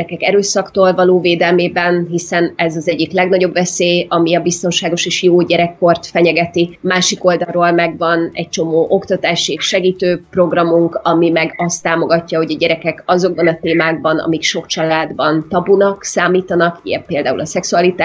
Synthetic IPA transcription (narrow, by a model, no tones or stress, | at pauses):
ɛkɛkɛɾøːsɒkt̪oːlvɒloːveːd̪ɛlmeːbɛnɦisɛnɛzɒzɛɟːiklɛɡnɒɟo̞bvɛseːjɒmiɒbist̪o̞nʃaːɡo̞ʃeːʃjoːɟɛɾɛkːo̞rt̪fɛɲɛɡɛt̪imaːʃiko̞ld̪ɒroːlmɛɡvɒnɛ̰c̚t͡ʃo̞moːʔo̞kt̪ɒt̪aːʃieʃʃɛɡiːt̪øːpro̞ɡrɒmuŋkɒmimɛɡɒst̪ːaːmo̞ɡɒcːɒɦo̞ɟɒɟɛɾɛkɛkɒzo̞ɡ̚bɒnɒt̪eːmaːɡ̚bɒnɒ̰mikʃo̞kt͡ʃɒlaːd̪bɒnt̪ɒbunɒksaːmiːt̪ɒnɒkḭjɛpːeːld̪aːṵlɒsɛksuɒlit̪aː